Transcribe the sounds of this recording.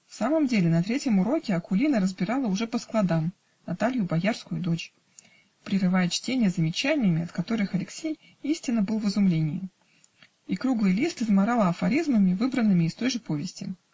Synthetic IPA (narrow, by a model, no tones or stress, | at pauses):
fsaməmdʲelʲɪnɐt̪ɾʲetʲjəmʊɾo̞kʲɪɐkʊlʲinəɾəzbʲɪɾalˠəʊʐɛpəsklˠɐd̪am | nɐt̪alʲjʊbɐjarskʊjʊd̪o̞t͡ɕ | pɾʲɪrɨvajɪt͡ɕtʲenʲɪjəzəmʲɪt͡ɕænʲɪjəmʲɪɐt̪kɐt̪o̞ɾɨxɐlʲɪksʲej | isʲtʲɪnːəbɨlˠvɨzʊmlʲenʲɪjɪ | ikɾuɡlˠɨjlʲist̪ɨzmɐɾalˠəɐfɐɾʲizməmʲɪvɨbɾənːɨmʲɪːst̪o̞jʐɨpo̞vʲɪsʲtʲɪ̰